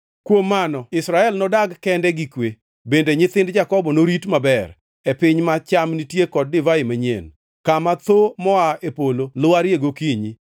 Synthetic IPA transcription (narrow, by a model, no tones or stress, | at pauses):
kwomːanɔɪsɾaɛlnɔdaɡkɛndɛɡikwe | bendeɲɪt̪ɪndd͡ʒakɔbɔnoɾitmabɛr | epɪɲmat͡ʃamnitjekɔd̚dɪvaɪmaɲḛn | kamat̪omɔaepololʊaɾjeɡokiɲi